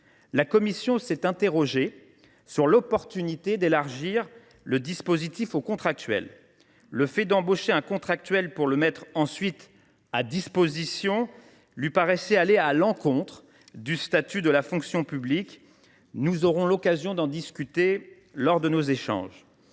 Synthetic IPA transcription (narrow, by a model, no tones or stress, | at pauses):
lakɔmisjɔ̃sɛt̪ɛ̃t̪eʁɔʒe | syʁlɔpɔʁt̪ynit̪ed̪elaʁʒiʁ | ləd̪ispozit̪ifokɔ̃t̪χak̚t̪ɥɛ̰lː | əfɛd̪ɑ̃boʃeɛ̃kɔ̃t̪χak̚t̪ɥɛlpuʁləmɛt̪χɑ̃sɥit̪ | ad̪ispozisjɔ̃ | lɥipaʁɛsɛalealɑ̃kɔ̃t̪χ | d̪yst̪at̪yd̪əlafɔ̃ksjɔ̃pyblik | nuzɔʁɔ̃lɔkazjɔ̃d̪ɑ̃d̪iskʲyt̪e | lɔʁd̪ənozeʃɑ̰̃ːʒ